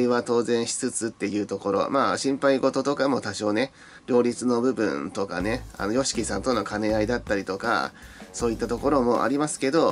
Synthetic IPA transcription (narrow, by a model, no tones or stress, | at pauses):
iβat̪o̞ːzẽ̞ɰ̃ɕi̥t͡sɨt͡sɨt̪ːe̞jɯ̟ːt̪o̞ko̞ɾo̞̰maːɕĩmpaiɡo̞t̪o̞t̪o̞kamo̞t̪aɕo̞ːne̞ | ɾʲo̞ːɾʲit͡sɨno̞bɯ̟bɯ̟̰̃nt̪o̞ka̰ne̞a̰nojo̞ɕi̥kʲisãnt̪o̞no̞kane̞aid̪at̪ːaɾʲit̪o̞ka̰so̞ːit̪ːat̪o̞ko̞ɾo̞mo̞ʔa̰ɾʲimasɨ̥ke̞d̪o̞